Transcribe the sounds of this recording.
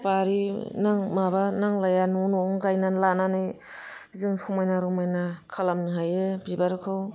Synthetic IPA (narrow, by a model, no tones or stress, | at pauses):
paɾinaŋmabanaŋlajanunɔŋɡajnanlananɯj | zɯŋpʰumajnaɾɔmajnakʰalamnɯɦajebibaɾkʰɯw